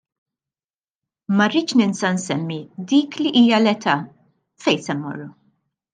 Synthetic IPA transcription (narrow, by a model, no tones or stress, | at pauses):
mɐriːt͡ʃnɪnsɐnsɛmːid̪iːkliʔiːjɐlɛt̪ʰɐː | fɛjsɛnmɔ̰rːu